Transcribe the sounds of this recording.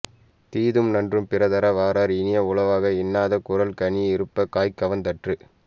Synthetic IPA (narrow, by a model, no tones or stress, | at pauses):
t̪iːðɯmnɐndrɯmpɪɾɐðɐɾɐʋaːɾaːɾɪnɪjɐʊɭɐʋaːɣɐɪnːaːðɐkʊɾɐlkɐɳɪɪɾɯpːɐkaːjkːɐʋɐnd̪ɐʈrɯ